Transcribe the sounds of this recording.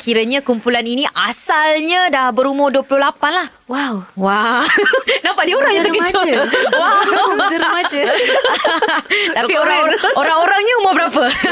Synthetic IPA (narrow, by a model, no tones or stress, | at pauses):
kʰiɾəɲãkumpulaninĩʔasalɲãdahbəɾumɔduəplʊhlapanlah | wawwa | dampaʔdioɾaŋjãt̪əkəd͡ʒowa | t̪apioɾaoɾaŋoɾaŋɲaumobəɾapə